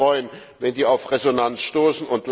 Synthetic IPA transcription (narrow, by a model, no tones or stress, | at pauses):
ʁɔʏən | vɛndiːaʊfʁezonant͡sʃtoːsn̩ʊntl